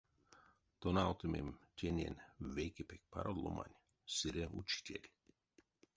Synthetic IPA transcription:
t̪onalt̪ɨmʲḛmtʲʰenʲenʲʋejkepek̚ʲpʰa̰ɾod̪lˠo̰ma̰nʲ | sɨɾʲeut͡ʃi̥tʲelʲ

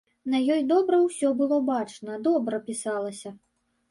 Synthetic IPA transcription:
nɐjɔjd̪ɔbɾɐwsʲɔbɨlˠɔbat͡ʂnɐd̪ɔbɾɐpʲisalˠɐsʲɐ

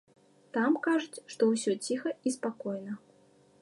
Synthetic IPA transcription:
t̪amkaʐut͡sʲʂt̪ɔwsʲɔt͡sʲixɐispakɔjnɐ

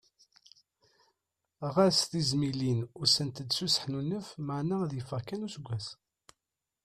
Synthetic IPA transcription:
ʁæsθizmilinʊɾsənt̪əd̪susə̥ħnunːəfmaʕnaðjəfəʁkænusɡʷːæs

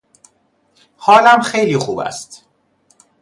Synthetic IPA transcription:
hɒːlæmxejliːxuːbæ̰st̪

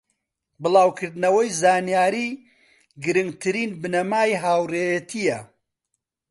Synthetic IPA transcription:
bɨlˠaːwkʰɨɾd̪nɐwɐjzaːnijaːɾiː | ɡɨɾɨŋɡt̪ʰɨɾiːnbɨnɐmaːjɦaːwreːjɐt̪ʰijɐ

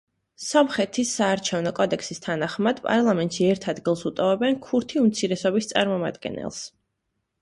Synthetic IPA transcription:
sɔmχɛt̪ʰisaːɾt͡ʃʰɛvnɔkʼɔd̪ɛksist̪ʰanaχmad̪̥pʼa̰ɾlˠamɛnt̪ʃiɛɾt̪ʰad̪ɡilˠsut̪ʼɔvɛbɛnkʰuɾt̪ʰiumt̪sʰiɾɛsɔbist̪sʼa̰ɾmɔma̰d̪ɡɛ̰nɛ̰lˠs

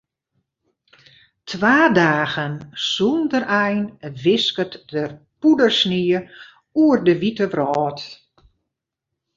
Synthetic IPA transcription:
tʰʋaːdaːɣənsundərɛjnʋɪskətəpudərsniə | uərdəʋitəbrɔːt

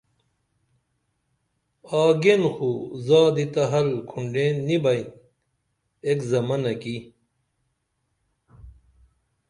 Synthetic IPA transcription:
aːɡenxuzaːd̪it̪ɐɦɐlkʰuɳɖeːnːibɐjin | ekzɐmɐnɐki

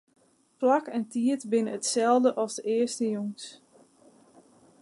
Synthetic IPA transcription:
plakɛntiətbɪnəətsɛlˠdəʔɔlˠsdəʔɪəstəjoŋs

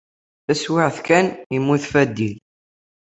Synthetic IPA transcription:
θæswɪʕθkænimːuθfæd̪ːil

